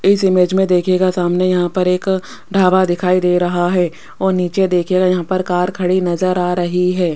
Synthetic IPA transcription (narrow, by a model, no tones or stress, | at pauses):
ɪsɪmeːd͡ʒmẽd̪eːkʰeɡasaːmnejɐɦãpɐɾeːk | ɖʱaːʋad̪ɪkʰaːid̪eːɾɐɦaɦɛː | ɔːɾniːt͡ʃed̪eːkʰeɡajɐɦãpɐɾkaːɾkʰɐɽinɐzəɾaːɾɐɦiɦɛː